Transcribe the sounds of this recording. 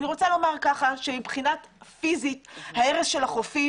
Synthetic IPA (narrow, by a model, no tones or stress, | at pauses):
niʁo̞t͡salo̞maʁkaχaʃe̞mipχinatfizithae̞ʁesʃe̞laχofi